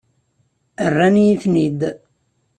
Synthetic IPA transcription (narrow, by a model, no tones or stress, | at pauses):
ərːanjiθnid̪